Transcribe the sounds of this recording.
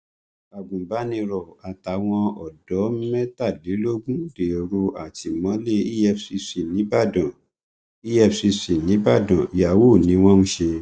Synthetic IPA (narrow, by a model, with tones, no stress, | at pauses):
a˨ɡũ˨ba˨˦nĩ˧ɾɔ˨a˨ta˨˦w̃ɔ̃˧ɔ˨dɔ˨˦mɛ̃˦ta˦˨de˨˦lo˦ɡũ˦de˨o˨˧ɾo˧a˨ti˨mɔ̃˨˦le˦i˦ɛ˧fsi˧si˨nĩ˨˦ba˦˨dɔ̃˨ | i˦ɛ˧fsi˧si˨nĩ˨˦ba˦˨dɔ̃˨i˨ja˨wo˦˨nĩ˨˦w̃ɔ̃˦nũ˦ʃe˧